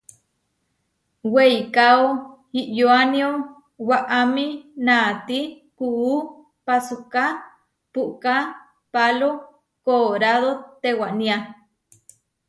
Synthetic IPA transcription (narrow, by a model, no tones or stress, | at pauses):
wejkaohiʔjoanio | waʔaminat̪i | kuː | pasuka | puʔka | palo | koːɾaðot̪ewaʔnia